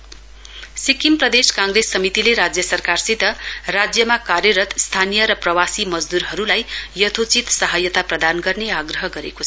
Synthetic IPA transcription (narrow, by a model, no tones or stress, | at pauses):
sikimprʌd̪eskãŋɡɾesːʌmit̪ileɾad͡zjʌsʌrkarsid̪ʱʌrad͡zjʌmakarjʌɾʌt̪st̪ʰanijʌɾʌprʌwasimʌd͡zd̪uɾɦʌɾulajjʌt̪ʰot͡sit̪sʌɦajʌt̪aprʌd̪anɡʌrneaɡrʌɦʌɡʌɾekot͡sʰʌ